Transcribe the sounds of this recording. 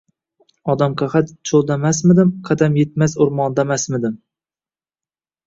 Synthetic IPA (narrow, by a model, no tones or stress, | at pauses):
ɒd̪amqʰɑχat̪t͡ʃʰolˠd̪amasmɪd̪ɪmqʰɑd̪amjet̪̚masʊɾmɒnd̪amasmɪd̪ɪm